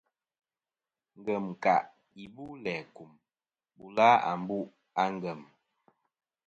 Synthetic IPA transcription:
ŋ˨ɡə˨m˨ka̰˨ʔ | i˨bu˦lɛ˨ku˨m | bu˨la˦a̰˨m˦bu˦ | a˦ŋ˦ɡə˨m

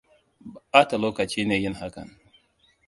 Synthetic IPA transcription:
ʔaː˦ta˨loː˦kɐ˨t͡ʃiː˦neː˨jɪ˦˨ŋha˦kɐ̰˨ŋ

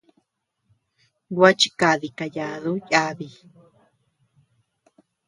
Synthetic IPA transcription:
ɡwa˦t͡ʃi˧ka˧ði˨ka˧ja˨ðu˦ja˦βi˧

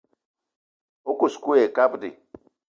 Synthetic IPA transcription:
o˦ku˨sku˦e˨ka˦bdḭ˨

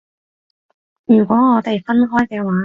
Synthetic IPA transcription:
jy˨˩kʷɔː˨˥ŋɔː˨˧t̪e˨jfɐ˥nɦɔː˥jkɛː˧waː˨˥

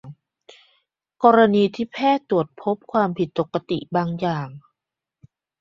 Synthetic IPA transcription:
ŋ | kɔː˧ɾa˧niː˧t̪ʰiː˥˩pʰɛː˥˩t̪u˨˩ət̪̚pʰo˦˥p̚kʰwaː˧mpʰi˨˩t̪̚bo˨˩kːa˧t̪ḭ˨˩ʔbaː˧ŋjaː˨˩ŋ

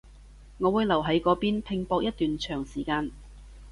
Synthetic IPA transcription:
ŋɔː˨˧wuː˨˧jlɐ˨˩wɦɐ˨˥jkɔː˨˥piː˥npʰɪ˧ŋpɔː˧k̚jɐ˥t̪yː˨nt͡ʃʰœː˨˩ŋsiː˨˩kaː˧n

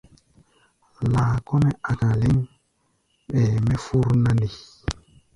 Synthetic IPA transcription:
laː˨kɔ˦nɛ˦ʔa˨ka˨li˦ŋ | ɓɛ˨mɛ˦fu˦ɾna˦ndi˨

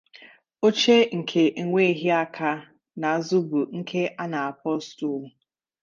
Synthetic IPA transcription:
o˦t͡ʃe˦ŋ̩˨kʰe˨ʔe˨ŋʷe˦ɦi˦a˦kʰa˦ | na˨zʊ˦bu˨ŋ̩˦kʰe˦a˦na˨a˨pɔ˦stu˨ʊ˨

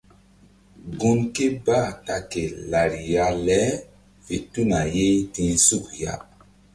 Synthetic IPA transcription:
ɡu˦nke˦baː˦˨ta˨ke˨la˨ɾi˨ja˦lɛ˦ | fe˨tu˦na˨je˦tĩ˨˦su˦˨kja̰˦

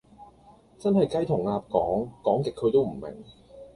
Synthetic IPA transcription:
t͡sɐ˥nhɐ˨jkɐ˥jt̪ʰʊ˨˩ŋaː˧p̚kɔː˨˥ŋkɔː˨˥ŋkɪ˨kʰːɵ˨˧t̪o˥wm̩˨˩mɪ̰˨˩ŋ

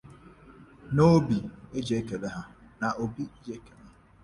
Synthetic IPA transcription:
no˦bi˨e˦d͡ʒe˨˦ke˨le˦ɦa˦na˨ʔo˨bi˦e˦d͡ʒe˦ke˨le˦ɦa˦

